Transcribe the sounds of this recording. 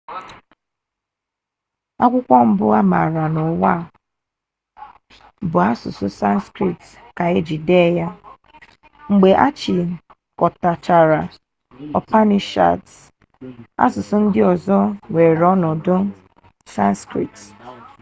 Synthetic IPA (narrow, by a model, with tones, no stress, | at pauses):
a˦kʷʊ˦kʷɔ˦m̩˦bʊ˦a˦ma̰˨ɾa˨nʊ˨wa˦˨ | bʊ˨a˦sʊ̰˨sʊ˦sa˦n˦skɾi˨t | ka˨e˦d͡ʒi˨de˦ja˦ | ŋ͡m̩˨ɡ͡be˨ʔa̰˦t͡ʃi˨ | kɔ˨ta˨t͡ʃa˨ɾa˨ | ɔ˨pa˦ni˨ʃa̰˨t | a̰˦sʊ˨sʊ˦n̩˦dɪ˦ɔ˨zɔ˦we˨ɾɔ˦nɔ˨dʊ˦ | sa˦n˦skɾḭ˨t